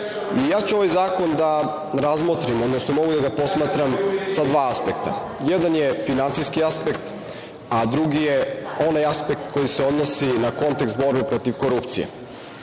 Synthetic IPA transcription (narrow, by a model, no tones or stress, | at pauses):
ijaːt͡ɕuo̞ʋajzaːko̞nd̪a | ɾazmot̪ɾimo̞d̪nosno̞mo̞ɡud̪aɡapo̞smaːt̪ɾamsad̪ʋaːaspek̚t̪a̰ | jed̪anjefinantsijskiaspekt̪ | ad̪ɾuɡijeo̞najaspek̚t̪ko̞jiseo̞d̪nosinako̞nt̪ekst̪bo̞ɾbepɾo̞t̪iʋko̞ɾupt̪sḭjḛ